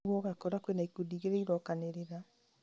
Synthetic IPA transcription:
ɣwɔɣakɔɾakwenaikudiːɣeɾeiɾɔkaneɾeɾa

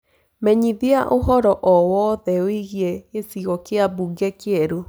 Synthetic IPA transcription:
mɛɲiðiaʔoɦɔɾɔʔɔwɔðɛoiɣiɛesiɣɔkeabuɡɛkeɛɾo

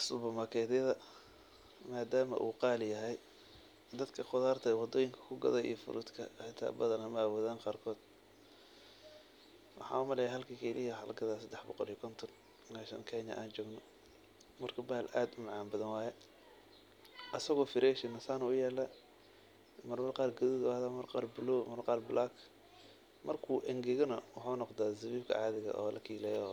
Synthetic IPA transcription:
sʊbɐmɐkʰɛːðɐðɐ | maːd̪aːmɐ̰ʔṵːqɑːljɐɦɛj | d̪ɐd̪kʰɐqʊðaːrt̪ʰɐɛwɑd̪ɔːjɪŋkʰɐ̥kʰʊɡɐ̰ðɐḭjɔfʊ̰ɾʔʊ̰d̪kʰɐħɪt̪ʰa̰ːbɐðɐnɐmɐwɔːðaːnqɑːrkʰɔːd̪̥ | wɑħɑ̰ːʊmɐlɛjɦɐlkʰɐkʰɛlɪjɐħɐ̰lɡɐðaːsɐd̪ɛħbɔqɔlijɔkʰɔnt̪ʰɔn | maːʃɐ̰ŋkʰɛɲɐ̰ʔaːnt͡ʃɔːɡnɔ | mɐrkʰɐbaːlʔaːd̪ʊmɑʕaːnbɐðɐnwɑːjɛ | ʔɐsɐɣɔːfɪɾɛːʃɪnɐsaːnʊjɛːlːa | mɐrmɐrqɑːrɡɐðuðʊaːðaːmɐrqɑːrbʊlɔmɐrqɑːrbʊlʔaːkʰ | mɐrkʰuːʔɛŋɡɛɣɔnɐwɑħaːnɔqd̪aːzɐβiːbkʰɐ̰ʕɑːðɪɣɐ̰ʔɔːlʔɐ̰kʰiːlɛjɔ

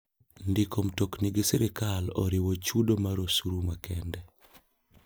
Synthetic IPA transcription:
ndikomtokniɡisɛɾɪkalɔ̰ɾɪwot͡ʃudomaɾosuɾumakɛndɛ

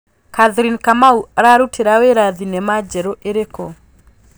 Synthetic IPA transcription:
kaðɾinkamauaɾaɾutʰeɾaweɾaðinɛmad͡ʒɛɾɔʔeɾekɔ

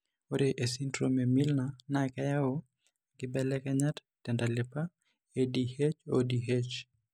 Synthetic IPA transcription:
oɾeʔesintɾomemilnanakajao | ɡɪbɛlɛkɛɲat | tːɛndalepa | edihet͡ʃodiɦet͡ʃ

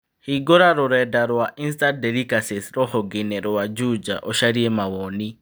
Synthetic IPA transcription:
hiɡoɾaɾuɾɛdaɾwaʔinstadɛlikasisɾɔhɔɡinɛɾɔwad͡ʒud͡ʒa̰ʔɔʃaɾiɛmawɔːni

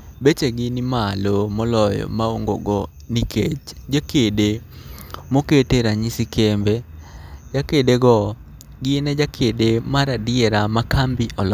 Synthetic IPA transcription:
bet͡ʃeɡɪnimalomɔlɔjɔ̰maoŋɡo̰ɡɔ | nikʰet͡ʃd͡ʒakede | moketeɾaɲisikʰembed͡ʒakedeɡɔ | ɡinɛd͡ʒakʰedemaɾadɪeɾamakambiʔɔl

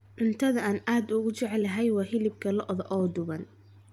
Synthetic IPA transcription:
ʕʊnt̪ʰɐðɐaːnaːd̪ʊɣʊt͡ʃɛʕɛlɐɦɛjwɑːhɪlɪb̚kʰɐlɔʔðɐʔɔːd̪ʊβɐn

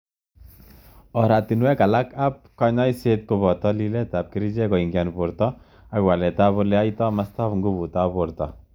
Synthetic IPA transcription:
ɔɾat̪inuwɛkalakap̚kɔɲɔjset̪̚kobɔt̪ɔlilɛt̪ap̚kiɾid͡ʒɛkɔiŋɡjanpoɾt̪ɔ | aɡwalɛt̪abolɛajt̪ɔmast̪afŋɡubut̪apoɾt̪ɔ

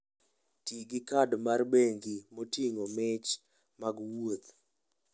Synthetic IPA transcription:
tiɡɪkadmarbeŋɡimotiŋomɪt͡ʃ | maɡwot̪

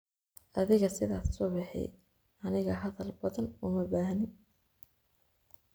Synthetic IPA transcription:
ʔɐðɪɣɐsɪðaːssɔːbɑħɛ̰j | ʔɐnɪɣɐɦɐðɐlbɐðɐnʊmɐbaːɦnɪn

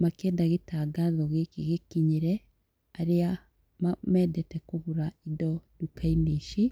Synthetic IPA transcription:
makeːndaɣetaɡaðɔɣekɣekiɲeɾɛ | aɾea | mamɛːdɛtɛkoβuɾaidɔdukaineʃi

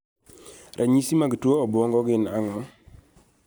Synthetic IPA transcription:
rʔaɲisimaɡtwoɔbʊɔŋɡɔɡɪnaŋɔ

